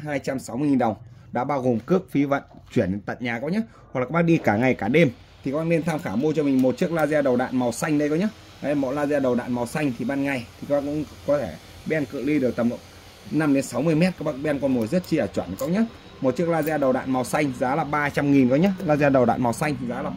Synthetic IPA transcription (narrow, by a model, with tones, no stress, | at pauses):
ɦaː˧jt͡ɕa˧msa˨˦wm˧ə˧ŋi˨˩nɗə˨˩wŋ͡mɗa̰ː˧˥ɓaː˧wɣo˨˩mkɨ˦˥ək̚fi˨˦və̰˧˨nt͡ɕwi˧˩ən˨˦nt̪a̰˧˨ɲaː˨˩kɔ˨˦wɲa˦ | wklaː˨˦˥kɓaː˦˥k̚ɗi˧kaː˧˩ŋa˨˩jkaː˧˩ɗe˧m | t̪ʰi˨˩ka˦ɓaː˧˥ne˧nt̪ʰaː˧mxaː˧˩mu˧t͡ɕɔ˧mi˨˩ŋ̟mo˨˩t̚t͡ɕɨ˦˥ək̚laː˧zɛː˧ɗə˨˩wɗa̰ː˧˨nma˨˩wsa˧jŋ̟ɗə˧jkɔ˨˦ɲa˨˦ | a˨˩ɗmɔ̰˧˨laː˧zaː˧ɗə˨˩wɗa̰ː˧˨nma˨˩wsa˧jŋ̟t̪ʰi˨˩ɓaː˧nŋa˨˩jt̪ʰi˨ka˦˥ɓa˦˥kʊ̰˧˥ŋ͡mkɔ˨˦t̪ʰe˧˩ | ɓe˧nkɨ̰˧˨li˧ɗɨ˨˩ək̚t̪ə˨˩mnlo̰˧˨ | na˧mɗe˨˦nsa˨˦wmɨ˧əjmɛ˦˥t̚kaː˦˥k̚ɓaː˦˥k̚ɓnkɔ˨˩nmu˨˩zə˦˥t̚t͡ɕi˧ʔəː˧˩t͡ɕwə˧˩n˨kɔ˨˦wɲa˨˦˥ | mo˨˩t̚t͡ɕɨ˦˥ək̚laː˧zaː˧ɗə˨˩wɗa̰ː˧˨nma˨˩wsa˧jŋ̟zaː˨˦laː˨˩ɓaː˧t͡ɕa˧mŋi˨˩nkɔ˨˦ɲa˨˦˥laː˧zɛː˧ɗə˨˩wɗa̰ː˧˨nma˨˩wsa˧jŋ̟zaː˨˦laː˨˩